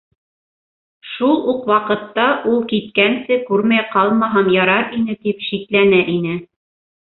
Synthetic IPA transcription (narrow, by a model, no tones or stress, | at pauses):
ʃulˠuqwɑqɤ̆t̪ːɑʔulˠkit̪̚kænsɘkʉɾmæjqɑlˠmɑɦɑmjɑɾɑɾinɘt̪ipʃit̪lænæʔinɘ